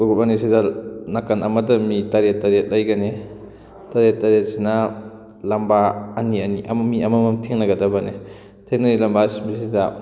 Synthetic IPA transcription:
uɡupanisidanakɐnɐmɐdɐmitaɾetːaɾet̚lɐjɡɐne | taɾet̚ːaɾet̚sinɐ | lɐmbaːniɐniʔɐ̰mmiɐmɐmɐmtʰeŋnɐɡɐdɐbɐne | tʰeŋnɐnilɐmbasibisidɐ

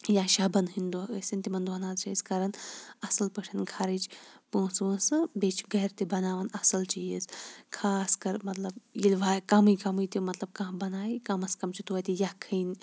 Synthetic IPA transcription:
jaːʃaːbɐnɦind̪osint̪imɐnd̪uɐnaːzt͡ʃʰɐiskɐɾɐnɐsɐlpɐʈʰɐnɡʱʰaɾit͡ʃpõːsəsɨbet͡ʃʰɡɐɦɾt̪ibɐnaːʋɐnɐsɐlt͡ʃijizkʰaːskɐɾmɐt̪lɐbjilʲʋaːkɐmɨjkɐmɨjt̪imɐt̪lɐb̚kãɦbɐnaːikɐmɐskɐmt͡ʃʰit̪uɐt̪ijakʰɐːn

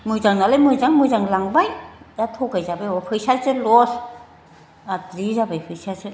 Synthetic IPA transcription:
mujzaŋnalɯjmɯjzaŋmujzaŋlaŋbajdatʰɔkajzabajɔpʰɯjsajsɯlɔs | atɾizabajpʰɯjsasɯ

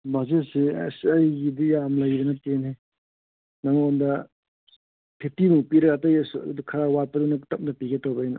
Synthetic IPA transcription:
bazesisɐjɡidijamlɐjbɐnɐtene | naŋondɐ | pʰetimupiɾɐkatajsdukʰɐɾawaɾpɐdunɐtɐp̚ndɐpiɡetobɐjnɐ

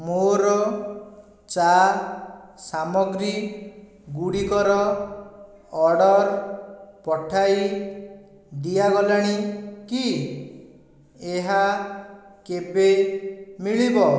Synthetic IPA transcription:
moɾɔ | t͡ʃa | samɔɡɾi | ɡuɽikɔɾɔ | ɔɽɔɾ | pɔʈʰaj | d̪ijaɡɔlaɽ̃iki | eɦa | kebemiɭibɔ

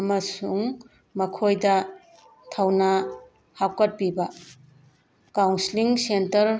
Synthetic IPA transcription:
ɐmɐsuŋ | mɐkʰojdɐ | tʰawnɐ | hawkɐt̚pibɐ | kawnsiliŋsentɐɾ

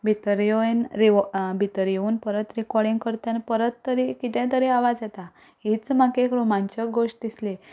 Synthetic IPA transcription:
bʱit̪əɾjoenɾibʱit̪əɾjeuːnpəɾət̪ɾikɔɾɽiŋɡkəɾt̪jãnpəɾət̪ːəɾikit̪ɛ̃t̪̬əɾeaʋad͡zat̪a | ɦit͡smakekɾomãɲt͡ɕəɡoʂʈ̚d̪isle

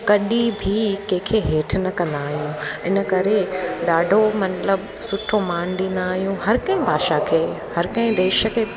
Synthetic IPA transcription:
kɐɗibʱikɐ̃ɦɪ̃kʰeɦeːʈʰnɐkɐ̃nd̪aːɦijũɪnəkɐɾeɗaːɖʱomɐt̪ləbsʊʈʰomaːñɗĩːnd̪aːɦijũɦɐɾkɐ̃ɦɪ̃bʱaːʃakʰeː | hɐɾkɐ̃ɦɪ̃d̪eːʃkʰeː

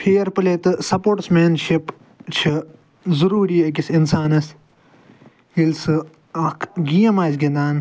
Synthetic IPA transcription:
pʰeːɾpɨleːt̪ɨsɐpoːʈsmeːnʃip | t͡ʃʰi | zɐɾuːɾiːɐk̬isinsaːnɐs | ilsɨ | ɐkʰɡiːɐmaːsɡʲend̪aːn

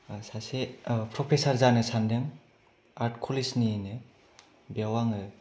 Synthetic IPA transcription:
sasepʰɾɔpʰesaɾzanɯsandeŋ | aɾtkʰulisninɯ | bawaŋɯ

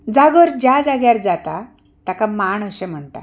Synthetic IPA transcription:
d͡zaɡəɾd͡ʑjad͡zaɡjaɾd͡zat̪a | t̪akamaɳəɕẽm̤əɳt̪a̰

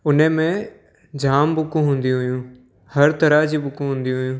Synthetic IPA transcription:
ʊnemẽ | d͡ʑʱaːmbʊkũɦũːn̆d̪ĩɦʊjũː | hɐɾt̪ɐɾad͡ʑiːbʊkũɦũːnd̪iũɦʊjũː

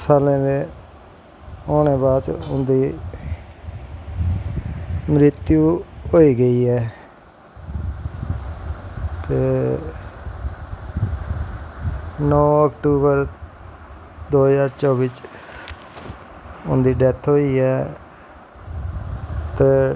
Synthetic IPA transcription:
saːlẽːd̪eː | oːneːbaːd̪t͡ʃʊnd̪iː | mɾɪt̪juːɦoːiːɡəiːɦɛː | t̪eː | nɔːəkʈuːbəɾ | d̪oːd͡ʒaːɾt͡ʃɔːbit͡ʃ | ʊnd̪iːɖɛt̪ʰɦoːiːɦɛː | t̪eː

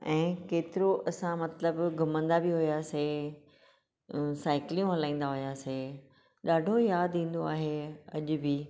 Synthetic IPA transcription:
ɛ̃ːkeːt̪ɪɾoʔɐsãmɐt̪ləbɡɐmə̃nd̪abiɦʊijaːse | saːɪklijũɦɐlãːĩːnd̪aɦʊjaːse | ɗaːɖʱojaːd̪ĩːn̆d̪oaːɦeɐʄʊ̆bɪ

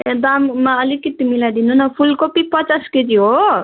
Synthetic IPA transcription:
ed̪ammaʌlikːit̪ːimilad̪inunʌpʰulkopipʌt͡sasked̪iɦo

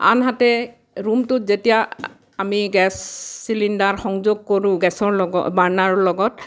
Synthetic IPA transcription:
a̰nɦatɛ | ɹumtʊzetija | amiɡɛsːilindaɹxɔŋzoɡ̚koɹʊ̃ɡɛsɔɹlɔɡɔbaɹnaɹɔlɔɡɔt

